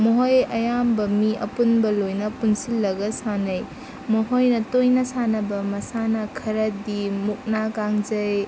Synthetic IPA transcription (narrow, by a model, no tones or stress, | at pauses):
moɦojɐjambɐmiʔɐ̰punbɐlojnɐpuŋsilːɐɡɐsanɐj | moɦojnɐtojnɐsanɐbɐmɐsanɐkʰɐɾɐdimuk̚nakaŋzɐj